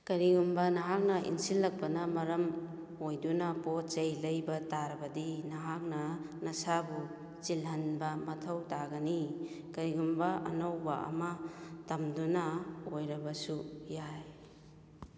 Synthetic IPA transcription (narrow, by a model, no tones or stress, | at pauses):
kɐɾiɡumbɐnɐɦak̚nɐʔḭnsilːɐk̚pɐnɐmɐɾɐm | ojdunɐpot̚t͡ʃɐjlɐjbɐtaɾɐbɐdinɐɦak̚nɐnɐsabu | t͡ʃilɦɐnbɐmɐtʰɐwtaɡɐni | kɐɾiɡumbɐɐ̰nowbɐ̰ʔɐ̰mɐtɐmdunɐojɾɐbɐsujaj